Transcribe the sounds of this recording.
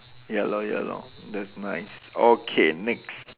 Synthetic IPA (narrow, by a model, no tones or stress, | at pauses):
hɛlojɛ̰lo̰dɛtsnaɪsokʰenɛks